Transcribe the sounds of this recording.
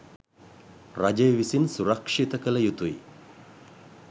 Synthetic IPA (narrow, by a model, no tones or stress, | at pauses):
rad͡ʒəjʋisinsuɾɐkʂit̪əkələjut̪ui